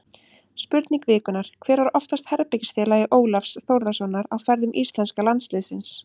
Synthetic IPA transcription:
spʏɾt̪niŋkvɪːkʏnaɾ̥kʰvɛːɾvaɾɔft̪ast̪hɛɾpɪcsθɪːlajɪʔoːwlafsθowɾðasɔnːaɾawfɛɾðʏmʔist̪lɛnskalant̪slɪðsɪns

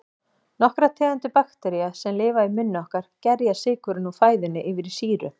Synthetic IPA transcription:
nɔhkɾat̪ʰɛːɣant̪ʏpaxt̪ɛɾiasɛmlɪːvaimʏnːʏɔhkaɾ̥cɛɾjasɪːkʏɾʏnufaːjðʏnːɪʔɪvɪɾisiːɾʏ̰

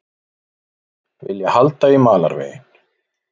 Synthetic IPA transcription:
vɪ̰ljahalt̪aimaːla̰ɾvḛːjɪn̥

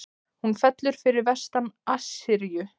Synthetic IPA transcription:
hunfɛt̪lʏɾ̥fɪɾɪɾvɛ̥st̪anasɪɾjʏ

